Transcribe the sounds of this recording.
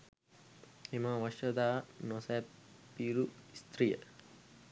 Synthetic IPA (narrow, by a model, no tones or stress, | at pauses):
emãʋɐʃɐd̪aːnosɛː | piːɾuist̪rijə̰